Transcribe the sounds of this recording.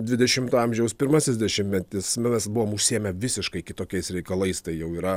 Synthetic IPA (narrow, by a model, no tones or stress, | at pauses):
d̪ʲʋʲɪd̪ʲɛʃʲɪmt̪ɑmʲʒʲɛʊspʲɪɾmɐsʲɪzʲd̪ʲɛʃʲɪmʲmʲɛt̪ʲɪsmʲɛsbʊʋoːmʊʃʲsʲiɛmʲɛʋʲɪsʲɪʃkɐɪkʲɪt̪oːkʲɛɪsɾʲɛɪkɐlˠɐɪst̪ɐɪjɛʊiːɾɐ